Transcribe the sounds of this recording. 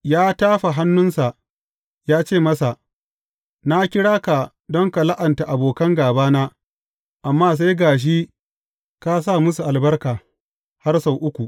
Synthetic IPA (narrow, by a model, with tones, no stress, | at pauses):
jaː˦taː˦ɸa˨ɦa˦nːʊ˦nsa˨ʔ | jaː˦t͡ʃeː˦˨mɐ˦sa˨ | na˦kʲɪ˦ɽaː˦ka˨ | dɔ˦ŋka˨la˦ʔɐ˨nta˨ʔa˨boː˨kɐ˦ŋɡaː˨baː˦naː˦ | ʔa˨mːaː˦s̬a˦jɡaː˨ʃ̬i˦ | ka˦s̬aː˦˨mʊ˦su˨ʔa˨lbɐ˦rkaː˨ | ha˦rsa˨wʔʊ˦kʷu˨ʔ